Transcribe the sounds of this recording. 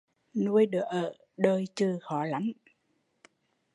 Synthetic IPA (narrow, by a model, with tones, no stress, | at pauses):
nu˧əjɗɨ˧˩əʔəː˧˩˨ | ɗəː˧˩jt͡ɕɨ˧˩xɔ˧˩˦la˨˦ŋ